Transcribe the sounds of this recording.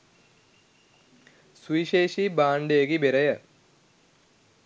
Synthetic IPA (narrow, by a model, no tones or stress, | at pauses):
swiːɕeːʂibaːɳɖeːɣibeɾɐjɐ